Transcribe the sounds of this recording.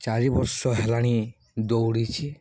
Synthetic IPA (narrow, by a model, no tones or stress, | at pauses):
t͡ʃaɾibɔɾsɔɦɛlaɽ̃i | d̪owɽit͡ʃʰi